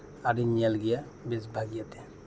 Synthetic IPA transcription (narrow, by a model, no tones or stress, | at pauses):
aɾinijalɡɛja | besbʱaɡijat̪ɛ̥